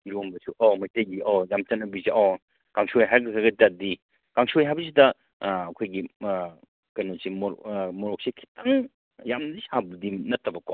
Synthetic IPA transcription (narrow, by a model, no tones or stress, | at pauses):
iɾombɐsuʔɔmɐjtɐjɡiʔojamt͡ʃɐnːɐbizeʔo | kaŋsojɦajɾɡɐkʰɐɡɐdadi | kaŋsojɦajbɐs̬idɐ | ɐkʰojɡi | kɐjnosimomoɾok̚sikʰi̥tʰaŋ | jamnzisabudinɐtːɐbɐko